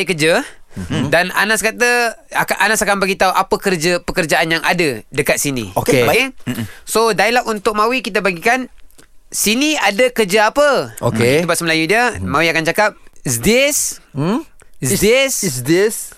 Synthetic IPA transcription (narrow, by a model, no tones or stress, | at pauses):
ikəd͡ʒə | dana̰naskat̪əakaʔanasakanbaɡit̪auʔapəkərd͡ʒəpəkərd͡ʒaʔanjaŋʔa̰dədəkat̪̚sinḭokeokesodailaʔunt̪ʊk̚mawikit̪abaɡikan | siniadakərd͡ʒaapəo̰keit̪ubaʔsəməlajudiəmawiakant͡ʃakap̚sdɪs | sdessdes